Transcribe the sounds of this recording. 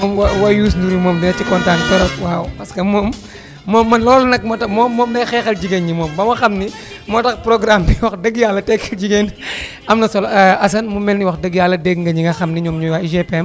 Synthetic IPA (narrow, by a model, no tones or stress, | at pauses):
ɔmwɐwɐjuːs̬nduɾimɔːmdinɐtːikɔntaːntɛɾɐkwawpɐskɐmɔːmː | ɔːmːɐnlɔlɐnɐk̚mɐtɐmɔːmːɔːmdɛjxɛːxɐlɟiɡenɲimɔːmbɐwɐxɐmni | mɔtɐkpɾɔɡɾamniwɐxdəɡjalːɐtɛkʰːɐld͡ʒiɡen | ɐmnɐsɔlɐs̬ɐnmumɛnːiwɐxdəɡjalːɐdɛɡŋɡɐɲiŋɡɐxɐmniɲɔmɲuwaiʒɛpɛm